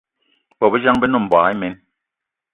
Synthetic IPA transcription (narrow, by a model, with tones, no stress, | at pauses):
bɔ˨bə˦d͡ʒa˦ŋbɛ˦nɔ˦˨m̩˨ba˨˦i˦me˨˦n